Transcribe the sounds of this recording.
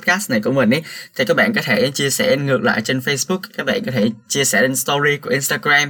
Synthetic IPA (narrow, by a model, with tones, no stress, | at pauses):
t̚kaː˦˥st̚na˨˩jkʊ̰˧˥ŋ͡mmə˨˩nʔi˨˦t̪ʰi˨˩kaː˦˥k̚ɓa̰ː˧˨nkɔ˨˦t̪ʰe˧˩t͡ɕi˧əsɛ˧˩ŋɨ˨˩ək̚la̰ː˧˨jt͡ɕe˧nfə˧jsɓʊ˦˥k̚kaː˦˥k̚ɓa̰ː˧˨nkɔ˨˦t̪ʰe˧˩t͡ɕi˧əsɛ˧˩ɗe˧nst̪ɔ˧zi˧ku˧˩ʔi˧nst̪aː˧ɡɾaː˧m